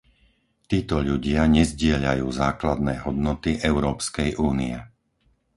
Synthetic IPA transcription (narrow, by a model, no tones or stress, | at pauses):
t̪iːt̪ɔʎuɟɪaɲɛzɟɪɛʎa̰juːzaːklad̪̚nɛːɦɔd̪nɔt̪iʔɛʊɾɔːpskɛjʔuːniɛ